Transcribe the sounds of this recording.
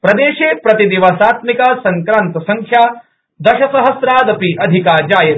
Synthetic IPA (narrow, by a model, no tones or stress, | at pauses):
pɾɐd̪eːʃeːpɾɐt̪id̪iʋɐsaːt̪mikasɐŋkɾaːnt̪ɐsɐŋkʰjaː | d̪ɐʃɐsɐɦɐsɾaːd̪ɐpiʔɐd̪ʱikaːd͡ʒaːjɐ